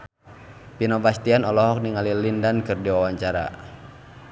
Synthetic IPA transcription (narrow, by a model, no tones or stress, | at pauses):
pinɔbast̪ianɔlɔɦɔk̚niŋalilindankɨrdiwawaɲt͡ʃaɾa̰